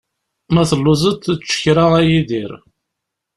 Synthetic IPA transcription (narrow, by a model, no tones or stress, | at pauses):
mæθəlːʊzət̪ːt͡ʃːə̥çɾaʁæjiðiɾ